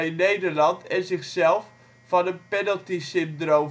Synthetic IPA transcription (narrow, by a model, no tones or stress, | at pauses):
nejdəɹlɑntʰɛnzɪxsɛlˠf | fɑnənpɛnəlˠtisɪmpdrowm